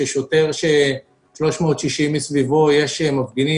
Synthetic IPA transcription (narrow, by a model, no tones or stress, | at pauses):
eʃote̞ʁʃe | ʃlo̞ʃmo̞ːt̪ʃiʃimːisvivojeʃemafɡini